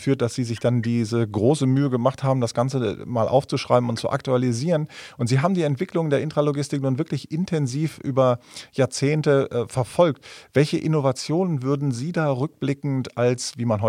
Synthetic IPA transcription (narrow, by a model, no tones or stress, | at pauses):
fyːɐt̚d̥asz̥iːzɪçd̥andiːzəɡʁoːsəmyːəɡəmaχthaːbm̩dasɡ̥ant͡səmaːlʔa̰ʊft͡suʃʁ̥a̰ɪbm̩ʊntt͡suʔa̰k̚tualiziːʁənʔʊntz̥iːɦaːbm̩diːɛntv̥ɪklʊŋəndeːɐɪntʁ̥aloɡɪstɪknuːnvɪɐklɪçʔɪntʰɛnziːfʔyːbɐjaːɐt͡seːntəʔfɛɐfɔlktv̥ɛlçəʔɪnovat͡sjoːnənvʏɐdn̩ziːdaːʁʏk̚b̥lɪkŋ̩tʔalsviːmanɦɔ